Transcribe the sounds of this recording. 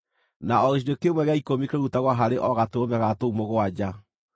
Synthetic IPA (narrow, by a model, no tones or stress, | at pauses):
naɔɣiʃ̬idokemwɛɣeaikomikeɾutaɣwaɦaɾeʔɔɣatoomɛɣatoumoɣoad͡ʑa